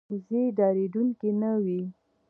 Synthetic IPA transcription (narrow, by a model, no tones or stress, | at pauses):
zed̪ɑɾed̪uŋkenawi